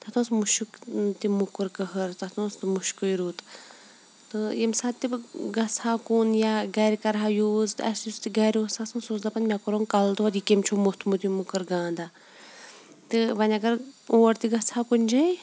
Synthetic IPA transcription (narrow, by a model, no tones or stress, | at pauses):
t̪ʰɐt̪õːsmuʃukt̪imukɨɾkɐɦəɾt̪ɐt̪õːst̪muʃkujiɾuːt̪ | t̪ɨimsaːt̪ːibɡɐsaːkunjaɡɐːɾʲkɐɾɦajuːzt̪ɐsjuzt̪iɡɐɾʲosasũnsuːzd̪ɐpɐnʲmʲjakoɾoːŋkɐlt̪ot̪ikemt͡ʃʰomuht̪ʰmut̪imukɨɾɡãːnd̪a | t̪ɨʋɐnʲɐɡɐɾoːɾt̪iɡɐsʰaːkunʲd͡ʒɐj